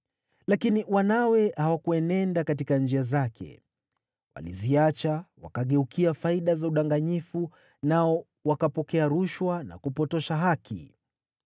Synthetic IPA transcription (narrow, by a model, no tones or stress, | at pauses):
lakiniwanawɛhawakuɛnɛndakatikand͡ʒiazakʰɛ̰ | wa̰lḭziat͡ʃawa̰kaɠɛukʰiafaiɗazauɗaŋɡaɲifu | naɔ | wakapɔkɛaɾuʃwana̰kupɔtɔʃaɦakʰḭ